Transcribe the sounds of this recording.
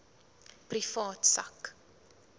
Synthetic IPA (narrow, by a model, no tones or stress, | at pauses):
prifɑːtsɐ̰k